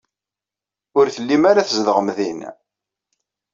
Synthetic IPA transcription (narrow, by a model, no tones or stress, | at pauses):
ʊɾθəlːimaɾaθəzðəʁəmðin